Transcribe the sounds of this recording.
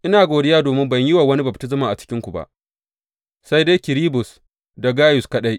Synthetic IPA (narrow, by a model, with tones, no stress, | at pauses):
ʔɪ˦naː˨ɡʷoː˨dɪ˦jaː˦doː˨mɪ˦mbɐ˨ɲji˦waː˨wɐ˦ni˦bɐ˨p̚tɪ˦z̬ɪ˨maː˨ʔa˨t͡ʃɪ̥˦kʲɪ˦ŋkʷu˨ba̰˦ʔ | sa˦jde˦kʲɪ˨ɾiː˦bʊ˨s | da˨ɡaː˦jʊ˨skɐ˦ɗa˦j